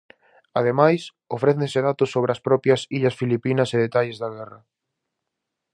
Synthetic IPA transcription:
að̞emajs | ofɾɛθẽseðat̪ʊsːoβ̞ɾeɐspɾɔpjɐsiʎɐsfilipinɐseðet̪aʎezðɐɣ̞ɛrɐ

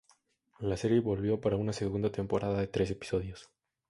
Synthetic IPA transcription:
lase̞ɾje̞βo̞lβjo̞paɾaunase̞ɣund̪at̪e̞mpo̞ɾʔaðaðet̪ɾe̞s̬e̞pi̥so̞ðjo̞s

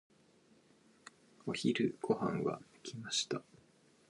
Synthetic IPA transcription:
o̞çiɾɯ̟ɡ̥o̞hãŋɡa̰ɯkʲimaɕi̥t̪a

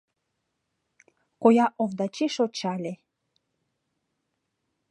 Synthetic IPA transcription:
kojɑʔovd̪ɑt͡ɕiʃot͡ɕɑlʲe

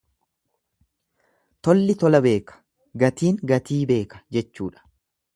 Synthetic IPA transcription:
t̪ɔlːɪt̪ɔlɐbe̞ːkɐ̥ | ɡɐt̪iːŋɡɐt̪iːbe̞ːkɐ̥d͡ʒɛt͡ʃːṵːᶑɐ̥

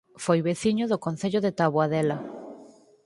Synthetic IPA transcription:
fojβeθiɲʊðʊkon̟θeʎʊðet̪aβwaðɛlɐ

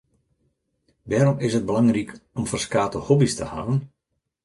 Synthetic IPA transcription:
ʋɛːɾɔmɪsət̚bəlaŋrikʰɔmfərskaːtəhɔbistə̰ha̰vən

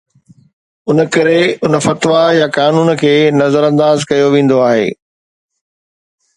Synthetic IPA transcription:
ʊnəkɐɾeʊnə̆fɐt̪ʋajakaːnuːnkʰeːnɐzəɾɐ̃nd̪aːzkɐjoʋẽːn̆d̪oaːɦḛː

